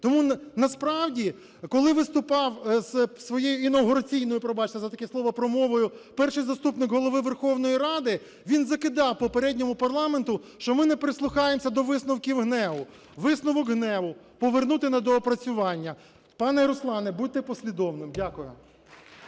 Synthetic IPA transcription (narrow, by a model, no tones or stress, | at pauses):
t̪ɔmunɐspɾɑwdʲi | kɔlˠɪʋɪst̪ʊpɑwzsʋɔjejʊinɐɦʊɾɐt͡sʲijnɔjʊpɾɔbɑt͡ʃt̪ʲɐzɐt̪ɐkɛsˠɔʋɐpɾɔmɔʋɔjʊpɛrʃɪjzɐst̪upnɪkɦɔlˠɔʋɪʋerxɔwnɔjiɾɑd̪ɪ | ʋʲinzɐkɪd̪ɑwpɔpeɾɛdʲnʲɔmʊpɐrlˠɑment̪ʊʃt͡ʃɔmɪnɛpɾɪslˠʊxɑjemsʲɐd̪ɔʋɪsnʊwkʲiwɦnɛʋʊ | ʋɪsnʊʋɔkɦnɛʋʊ | pɔʋernut̪ɪnɐd̪ɔːpɾɐt͡sʲʊʋɑnʲːɐ | pɑnɛɾɔslˠɑnɛbud̚ʲt̪ɪpɔsʲlʲid̪ɔwnɪmdʲakʊjʊ